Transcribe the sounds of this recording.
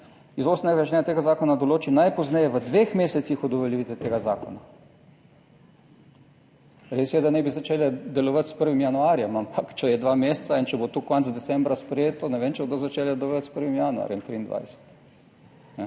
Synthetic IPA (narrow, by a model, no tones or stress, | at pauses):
izoːsnɛɡat͡ʃnɛjat̪eːɡazaːkɔnad̪oloːt͡ʃinajpɔznɛjɛʋəd̪ʋexmeːsɛt̪sixɔd̪ɔʋɛljiʋit̪ɛt̪eːɡaza̰ːkɔ̰na | ɾeːsjɛd̪anɛbizat͡ʃeːlɛd̪ɛlɔʋat̪spəɾʋimjanuaːɾjɛmampʰakt͡ʃɛjɛd̪ʋameːssaint͡ʃɛbot̪ukɔnzd̪ɛt̪sɛmbɾaspɾɛjeːt̪ɔnɛʋeːnt͡ʃɛbod̪ozat͡ʃeːljɛd̪ɛlɔʋat̪spəɾʋimjanua̰ːɾjɛmt̪ɾiːnd̪ʋʔa̰jsɛ̥t̪ | nɛ